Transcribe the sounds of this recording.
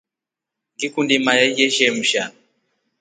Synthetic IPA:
ŋɡikundimajajɛʃɛm̩ʃa

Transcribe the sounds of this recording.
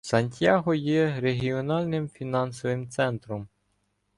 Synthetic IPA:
sɐnʲtʲjaɦɔjɛɾeɦʲiɔnɑlʲnɪmfʲinɑnsɔʋɪmt̪sɛnt̪ɾɔm

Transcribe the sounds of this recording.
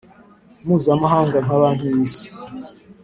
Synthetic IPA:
muːzamaɦaːŋɡaŋ̥aβaːn̥hujiːsi̥

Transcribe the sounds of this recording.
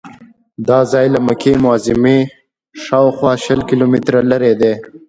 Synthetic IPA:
d̪ɑːzɑjlaməkʰemʊɑzɪme | ʃɑːxwɑːʃəlkilomɪt̪ɾalaɾed̪e

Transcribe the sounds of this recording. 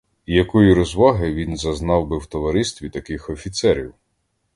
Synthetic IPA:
ijɐkɔjiɾɔzʋɑɦɪʋʲinzɐznɑwbɪwt̪ɔʋɐɾɪst̪ʋʲit̪ɐkɪxɔfʲit̪sɛɾʲḭw

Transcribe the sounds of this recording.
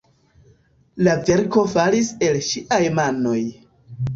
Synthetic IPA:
lave̞ɾko̞falise̞lʃiʔajmano̞j

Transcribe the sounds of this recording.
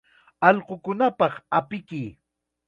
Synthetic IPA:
ɑʎqokʊnapɑχapɪkɪ

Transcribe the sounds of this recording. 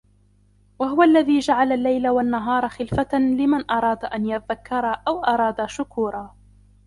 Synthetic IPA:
waɦʊwaʔlːaðiːd͡ʒaʕalalːajlawanːaɦɑːɾˤɑxɪlfalɪmanʔɑɾˤɑːd̪aʔanjaðakːɑɾˤɑʔawʔɑɾˤɑːd̪aʃʊkuːɾˤɑː

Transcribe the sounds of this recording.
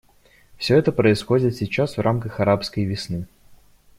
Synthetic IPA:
fsʲɵɛt̪əpɾəɪsxo̞dʲɪt̪sʲɪt͡ɕasvrʔamkəxɐɾapskəjvʲɪsnɨ

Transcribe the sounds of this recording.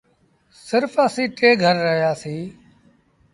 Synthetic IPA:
sɪɾfəsiːʈʰeːɡʱəɾːəɦjaːsiː

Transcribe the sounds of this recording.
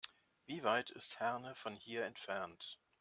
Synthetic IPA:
viːvaɪtʰɪ̰sthɛɐnəfɔnhiːɐɛntfɛɐnt

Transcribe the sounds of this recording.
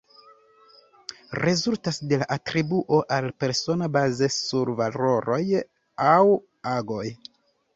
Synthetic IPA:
ɾe̞zultasde̞laʔatɾibuʔo̞ʔalpe̞ɾso̞nabaze̞suɾvalo̞ɾo̞j | aw | aɡo̞j

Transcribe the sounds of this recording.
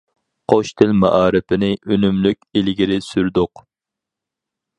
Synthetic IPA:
qʰoʃt̪ʰɪlmɑ̰ʔɑːɾɪpʰɪnɪʔønymlykʲelɡʲiɾɪsyɾd̪ʊq

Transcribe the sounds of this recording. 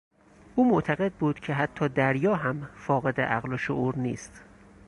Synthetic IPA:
ʔuːmoʔt̪ʰæɣe̞d̪̚buːd̪̥kcʰe̞ɦæt̪ʰːɒːd̪æɾjɒːɦæmfɒːɣe̞d̪ḛʔæ̰ɣloʃoʔuːɾnḭːst̪

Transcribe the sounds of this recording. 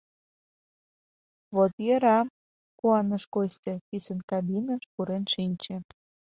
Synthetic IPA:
βot̪jeɾɑm | kuɑnə̆ʃkost̪ʲĕpisənkɑbinəʃpuɾenʃinʲt͡ɕĕ

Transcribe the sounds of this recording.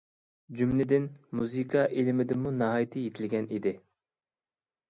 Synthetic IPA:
d͡ʒymlɪd̪ɪnmuzɨkʰɑʔelɪmɪd̪ɪmunɑɦɑjt̪ʰɨjet̪ʰɪlɡʲɛnid̪ɪ

